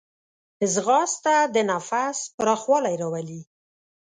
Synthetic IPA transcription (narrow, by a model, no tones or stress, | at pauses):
ɪzɣɑst̪ad̪ənafaspɾɑxwɑlajɾawali